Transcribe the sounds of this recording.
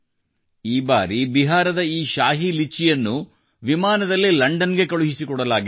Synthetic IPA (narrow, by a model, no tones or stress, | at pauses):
iːba̰ːɾibiɦaːɾɐd̪ɐiːʃaːɦilit͡ʃːijɐnːu | ʋimaːnɐd̪ɐlːilɐɳɖɐnɡe̞kɐɭuɦisikɔɽɐlaːɡi